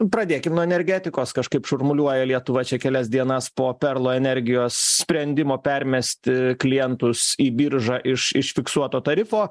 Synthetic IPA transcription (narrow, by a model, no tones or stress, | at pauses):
pɾɐd̪ʲeːkʲɪmnuɔɛnʲɛɾʲɡʲæːt̪ʲɪkoːskɐʃkɐɪpʃʊrmʊlʲuɔjɛlʲiɛt̪ʊʋɐt͡ʃʲɛkʲɛlʲɛs̬d̪ʲiɛnɐspoːpʲɛrlˠoːɛnʲɛɾʲɡʲɪjoːssʲpʲɾʲɛnʲd̪ʲɪmoːpʲɛɾʲmʲɛsʲt̪ʲɪklʲɪjɛnt̪ʊsiːbʲiɾʒɑʔɪʃɪʃfʲɪksuɔt̪oːt̪ɐɾʲɪfoː